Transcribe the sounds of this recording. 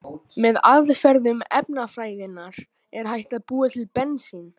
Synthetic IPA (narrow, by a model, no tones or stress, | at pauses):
mɛðaðfɛɾðʏmɛp̚nafɾaːjðɪnːaɾ̥ | ɛɾ̥ɦajht̪aðpuːat̪ʰɪlpɛnsin